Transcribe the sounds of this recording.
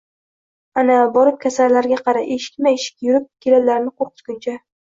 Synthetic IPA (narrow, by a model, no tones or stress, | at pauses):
anabɒɾɪp̚kʲʰasaɾlaɾɡʲaqʰɑɾaeʃɪ̥kʲmaeʃɪ̥k̚ʲjʊɾɪp̚kʲʰelalaɾnɪqʰoɾqɨ̥t̪ɡʲʊnt͡ʃʰa